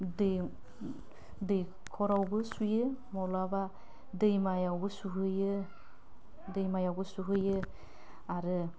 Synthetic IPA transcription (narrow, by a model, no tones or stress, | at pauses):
dɯ | dɯj | kʰɔɾawɡɯsujɯmɔlaba | dɯjmajawɡɯsuɦɯjɯ | dɯjmajawɡɯsuɦɯjɯ | aɾɯ